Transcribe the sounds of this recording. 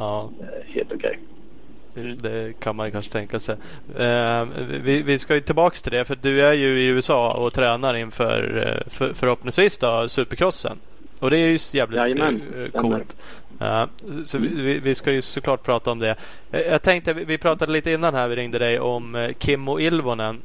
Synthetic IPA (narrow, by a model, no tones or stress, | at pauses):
ɑː | hḛːlt̪ʊkʰɛ̰j | d̪ɛkʰanmanjɵkanʂət̪ʰɛŋkasɛj | vɪvɪskajɵt̪ʰɪlbɑːkst̪ʰɪld̪ɛfœd̪ɵæɾjɵɪʉːɛsɑːɔt̪ʰɾɛːnaɾɪnfœ̰ːɾffœɾhɔpnɪŋsviːsd̪ɔsʉ̟ːpəɾkʰɾɔsːə̰n | ɔd̪ɛæjɵsjæːvlɪɛnkut̪ː | sɔɪvɪvɪskajɵsɔkʰlɑːʈ̚pʰɾɑːt̪aɔmd̪ɛ | jjɑːɡ̚t̪ʰɛŋkt̪əvɪvɪpʰɾɑːt̪ad̪əliːt̪əɪnːanɦæɾvɪɾɪŋd̪əd̪ɛjɔmkʰɪmːʊɪlvɔnən